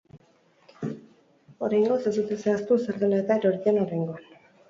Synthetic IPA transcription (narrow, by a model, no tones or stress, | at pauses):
oɾajŋɡosesut̪eseast̪useɾðelaet̪aeɾoɾienoɾajŋɡoan